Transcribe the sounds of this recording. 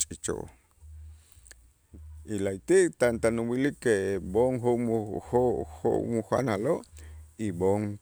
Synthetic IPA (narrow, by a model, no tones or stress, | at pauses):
t͡ʃʼit͡ʃo̰ | ilajt̪it̪ant̪anuwilikeboŋɦoʔmuhoho̰ʔmuhʷa̰naloʔiboŋ